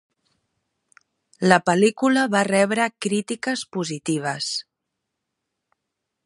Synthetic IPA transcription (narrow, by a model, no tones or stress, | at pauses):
ləpəlikuləβarɛβɾəkɾit̪ikəspuzit̪iβ̞əs